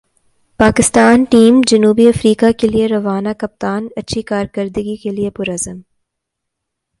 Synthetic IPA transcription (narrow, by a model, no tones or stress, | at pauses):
paːkɪst̪aːnʈiːmd͡ʒɐnuːbiɐfɾiːkakelieɾɐʋaːnakɐp̚t̪aːnɐtːʃʰikaːɾkəɾd̪ɡikeliepʊɾɐzəm